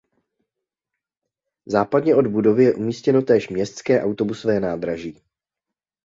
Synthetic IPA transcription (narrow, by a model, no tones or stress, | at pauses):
zaːpadɲɛʔo̞dbudo̞vɪjɛʔumiːscɛno̞t̪ɛːʃmɲɛst̪skɛːʔawt̪o̞busovɛːnaːd̪ɾaʒiː